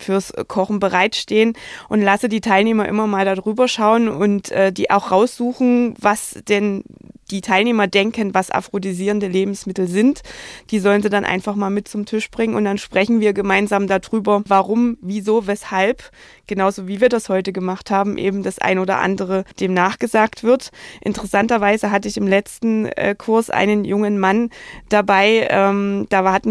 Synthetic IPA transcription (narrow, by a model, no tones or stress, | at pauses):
fyːɐskʰɔχn̩bəʁaɪtʃteːənʔʊntlasədiːtʰaɪlneːmɐʔɪ̰mɐmaːldaːdʁyːbɐʃaʊənʊntʔɛːdḭːʔa̰ʊxʁ̥aʊsz̥uːxn̩vasd̥ɛnd̥iːtʰaɪlneːmɐdɛŋkənvasʔa̰fʁ̥odiziːʁəndəleːbm̩smɪtl̩zɪntd̥iːzɔlənziːdanʔa̰ɪnfaχmaːlmɪt̚t͡sʊmtʰɪʃb̥ʁɪŋənʊnt̚d̥anʃpʁ̥ɛçn̩viːɐɡəmaɪnzaːmdadʁyːbɐvaʁʊmviːzoːvɛshalp | ɡ̥ənaʊzoːviːviːɐdashɔʏtəɡəmaχthaːbm̩ʔḛːbm̩d̥asʔa̰ɪnoːdɐ̰ʔa̰ndəʁəd̥eːmnaːχɡ̥əzaːktv̥ɪɐtʔɪ̰ntəʁɛsantɐvaɪzəɦatəɪçɪmlɛt͡stn̩ɛ̰ːkʰʊɐsʔa̰ɪnənjʊŋənmand̥abaɪʔɛːmd̥aːhatn̩